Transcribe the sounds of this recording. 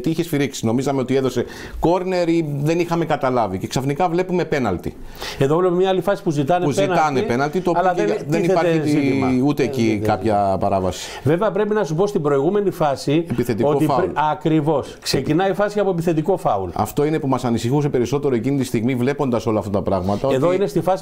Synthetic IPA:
t̪iiçe̞sfiɾiksino̞mizɐmeo̞t̪ie̞ðo̞se̞ | ko̞ɾne̞ɾiðe̞nixɐme̞kɐt̪ɐlɐvice̞ksɐfnikɐvle̞pume̞pe̞nɐlt̪ḭ | eðovlepemɲɐalifɐsi̥puzit̪ɐneuzinlɐnepenɐlt̪it̪olɐeðenipɐɾzut̪eːcikɐpçɐpɐɾɐvɐsi̥ | ve̞veɐpɾe̞pinɐsupo̞st̪ibɾo̞iɣume̞nifɐsiepiθet̪ikokoiɐɐkɾivo̞sksecinɐifɐsiɐpoep̬iθe̞t̪iko̞fɐulɐ̰ft̪o̞ine̞pumɐsɐnisixus̬e̞pe̞ɾiso̞t̪e̞ɾoe̞cinit̪ist̪iɣmivle̞po̞nd̪ɐso̞lɐːft̪ɐt̪ɐpɾɐɣmɐt̪ɐoeðoinest̪ifɐs

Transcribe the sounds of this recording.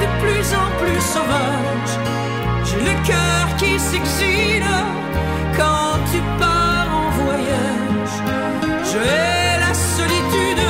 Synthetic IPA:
d̪əplyzɑ̃plysɔva | ʒ | ʒɛləkʲœʁkʲisɛɡzil | kɑ̃ | t̪ʰypaʁɑ̃vwaja | ʒ | ʒəɛ | lasɔlit̪yd̪

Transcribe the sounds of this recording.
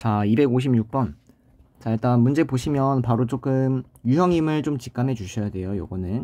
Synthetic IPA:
t͡ɕaibe̞ɡoɕ̬ʰimɲuk̚p͈ʌn | t͡ɕaiɭt͈anmund͡ʑe̞poɕʰimjʌnpaɾot͡ɕ͈ok͈ɯm | jujʌŋimɯɭt͡ɕomt͡ɕi̥k͈ame̞d͡ʑuɕʰʌjadwe̞jojo̰ɡʌnɯn

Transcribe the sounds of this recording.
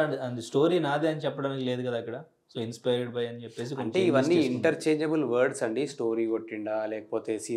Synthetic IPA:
ɐnd̪isʈo̞ːɾiːnaːd̪iɐnit͡ʃɛpːɐɽaːnikile̞ːd̪ukɐd̪aːkːɐɽɐ | soːinspɐjɾɾɖbɐjɐnit͡ʃepːe̞ːs̬ikoɐɳeiʋɐnːiiɳʈɐɾt͡ʃeːɲd͡ʒɐbulʋɐɾɖsɐɳɖisʈo̞ːɾiːʋoʈːiɳɖaːlɛːkɐ̥poːt̪eːsi

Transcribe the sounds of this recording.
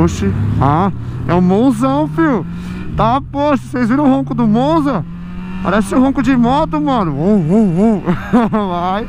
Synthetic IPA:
ʃɪaɛʊ̃mõw̃zɐ̃w̃fiw | t̪apɔʃt̪ɐ̥sejzviɾɐ̃ʊ̃hõkʊd̪ʊmõw̃zɐ̃ | pa̰ɾɛsɪʊ̃ɦõkʊd͡ʒɪmɔt̪ʊmɐ̃nʊooõ | vaj

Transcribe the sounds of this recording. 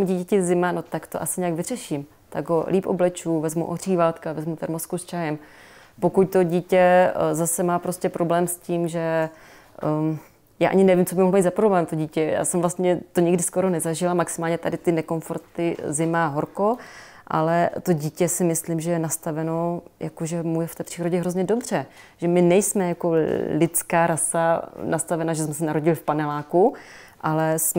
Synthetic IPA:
uɟiːcɛcɛzɪmano̞t̪akt̪o̰ʔasɪɲɛjaɡvɪr̝ɛʃim | t̪aɡɦolʔiːpʔo̰blɛt͡ʃuːvɛzmṵʔor̝iːvaːlt̪kavɛzmut̪ɛɾmoskust͡ʃajɛm | po̞kuc̚t̪o̞ɟiːcɛzasɛmaːpɾo̞scʲɛpɾo̞blɛːmsciːmʒɛ | jaːʔa̰ɲɪnɛvimt͡sobɪmoɦlomiːd̪zapɾoblɛːmt̪o̞ɟiːcɛja̰ːsɛmvlast̪ɲɛt̪o̞ɲɪɡdɪsko̞ɾo̞nɛzaʒɪlamaksɪmaːlɲɛt̪adɪt̪ɪnɛko̞nfo̞ɾt̪ɪzɪmaɦoɾko̞ | ʔa̰lɛt̪o̞ɟiːcɛsɪmɪslimʒɛjɛnast̪avɛno̞jakoʒɛmujɛft̪ɛːpr̥iːɾo̞ɟɛɦɾozɲɛdo̞br̝̥ɛ | ʒ̥ɛmɪnɛjsmɛjako̞lɪt͡skaːɾasanast̪avɛnaʒɛsmɛsɛnaɾo̞ɟɪlɪfpanɛlaːkuʔalɛsm

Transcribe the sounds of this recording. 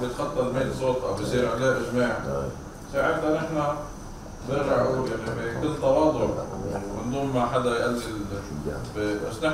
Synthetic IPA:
bjɪt̪xɑt̪ˤːɑlmiːt̪sˤoːt̪ˤʔa̰wbjsiːɾʕaleːʔɪʒmaːʕ | saːʕɪɾt̪anɪħna | b̪ɪɾaʕujaʕnibikɪlːt̪ɑwɑːd̪ˤʊʕmɪnd̪ˤuːmːaħad̪ajʔalːɪl | biba̰sːnɪ

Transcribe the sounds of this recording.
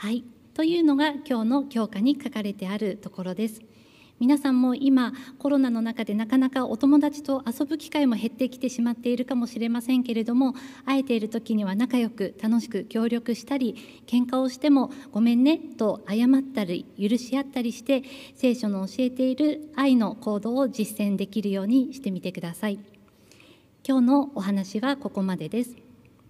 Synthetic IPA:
hai | t̪o̞jɯ̟ːno̞ɡakʲo̞ːno̞kʲo̞ːkaɲ̟ikakaɾe̞t̪e̞aɾɯ̟t̪o̞ko̞ɾo̞d̪e̞sɨ̥ | mʲinasãmːo̞ʔimako̞ɾo̞nano̞nakad̪e̞nakanakaʔo̞̰t̪o̞mo̞d̪at͡ɕi̥t̪o̞ʔaso̞bɯ̟kʲi̥kaimo̞ɦe̞t̪ːe̞kʲi̥t̪e̞ɕimat̪ːe̞iɾɯ̟kamo̞ɕiɾe̞masẽ̞ŋke̞ɾe̞d̪o̞mo̞ae̞t̪e̞iɾɯ̟t̪o̞kʲiɲ̟iβ̞anakajo̞kɯ̟t̪ano̞ɕi̥kɯ̟kʲo̞ːɾʲo̞kɯ̟ɕi̥t̪aɾʲi | kẽ̞ŋkao̞ɕi̥t̪e̞mo̞ɡ̥o̞mẽ̞nːe̞t̪o̞ajamat̪ːaɾʲijɯ̟ɾɯ̟ɕiat̪ːaɾʲiɕi̥t̪e̞se̞ːɕo̞noːɕie̞t̪e̞iɾɯ̟aino̞ko̞ːd̪o̞ːʑisːẽ̞nd̪e̞kʲiɾɯ̟jo̞ːɲ̟iɕi̥t̪e̞mʲit̪e̞kɯd̪asai | kʲo̞ːno̞ːɦanaɕiβako̞ko̞mad̪e̞d̪e̞sɨ̥

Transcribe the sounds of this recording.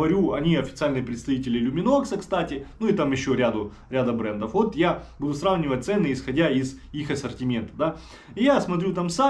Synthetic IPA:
ɐɾʲuɐnʲiɐfʲɪt̪sɨalʲnɨjpɾʲɪt̪st̪ɐvʲitʲɪlʲɪlʲʊmʲɪno̞ksəkst̪atʲɪnuɪt̪amjɪɕːoɾʲad̪ʊ | ɾʲad̪əbɾɛnd̪əfvo̞t̪jabud̪ʊsɾavnʲɪvət̚ʲt̪sɛnːɨɪsxɐdʲaizixɐsɐrtʲɪmʲe̞nt̪ɐd̪a | ɪjasmɐt̪ɾʲut̪amsa

